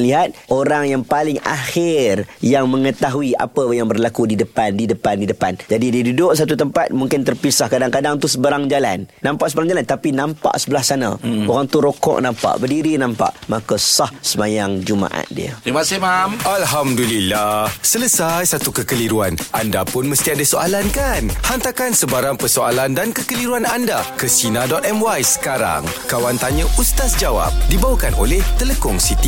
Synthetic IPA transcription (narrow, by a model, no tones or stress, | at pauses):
liɦat̪̚ʔoɾaŋjaŋpalɪŋa̰xɪrjaŋmə̃ŋət̪aɦuiʔa̰pəjaŋbərlakudidəpandidəpandidəpand͡ʒadidiədudʊʔsat̪ut̪əmpat̪̚muŋkɪnt̪ərpisahkadaŋkadaŋt̪usəbəɾaŋd͡ʒala̰nːãmpaʔsəbəɾaŋd͡ʒalant̪apinãmpa̰ʔsəbəlahsanã̰oɾaŋt̪uɾokɔ̰ʔnãmpa̰ʔbərdiɾinãmpa̰ʔmakasahsəmajaŋd͡ʒumã̰ʔa̰t̪̚dḭə̰imasimamʔalɦamdulilahsələsajsat̪ukəkəliɾuanʔandapʊnməst̪iadəsoalankanhant̪akansəbaɾaŋpəsoalandankəkəliɾuanandakəsinadɔt̪̚ɛmwajsə̥kaɾa̰ŋkawant̪aɲə̃ʔust̪asd͡ʒawa̰p̚dibawakano̰lɛht̪ələkɔŋsit̪i